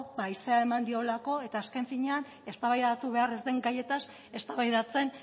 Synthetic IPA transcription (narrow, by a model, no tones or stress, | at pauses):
baiseae̞mand̪io̞lako̞e̞t̪aːske̞ɱfiɲe̞an | e̞st̪aβajðat̪uβe̞are̞zd̪e̞ŋɡaje̞t̪as | e̞st̪aβajðat͡se̞n